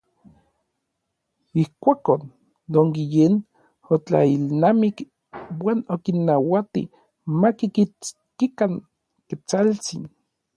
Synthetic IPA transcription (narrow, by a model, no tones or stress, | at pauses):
ihkʷakon | d̪oŋɡijen | ot͡ɬa̰ilnamik | waːnokinːawat̪ḭ | makikit͡s | kikaŋ | ket͡salt͡sḭn